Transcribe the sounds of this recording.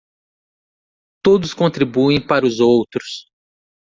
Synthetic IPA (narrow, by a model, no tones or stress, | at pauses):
t̪od̪ʊskõnt̪ɾibuẽj̃paɾʊzowt̪ɾʊs